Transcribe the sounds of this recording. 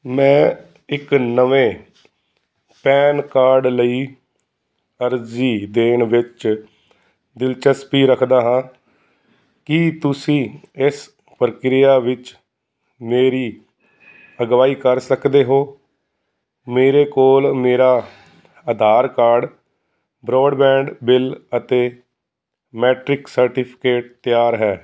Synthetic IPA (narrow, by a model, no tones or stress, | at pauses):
mɛ̃ː | ɪknəʋẽː | pɛːnkaːɾɖləiː | əɾziːd̪eːɳʋɪt͡ʃ | d̪ɪlt͡ʃəspiːɾəkʰd̪aːɦãː | kɪt̪ʊsĩːɪs | pɾəkɾɪjaːʋɪt͡ʃ | meːɾiː | əɡʋaːiːkəɾsəkd̪eːɦoː | meːɾeːkoːlmeːɾaː | əd̪ʱaːɾkaːɾɖ | bɾɔːɖbɛ̃ːɳɖbɪlət̪eː | mɛːʈɾɪksəɾʈɪpʰɪ̥keːʈ̚t̪jaːɾɦɛː